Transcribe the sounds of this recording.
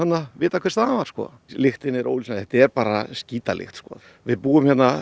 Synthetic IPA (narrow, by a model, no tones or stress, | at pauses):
at̪nːavɪːt̪akʰvɛɾst̪aamaɾ̥skɔ̰ | lɪxt̪ɪnɪɾo̰ːwlisnaθhɛt̪ɪɛɾpaːɾasciːt̪alʔɪ̰xt̪skɔ̰ː | vɪðpuːɪmhçɛt̪na